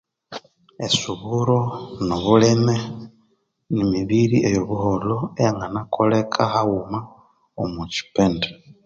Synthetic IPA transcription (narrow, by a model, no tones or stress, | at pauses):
esuβuɾoniβuleme | nimiβiɾiʔejoβuholoejaŋɡanakʰolekʰahawuma | omuci̥pende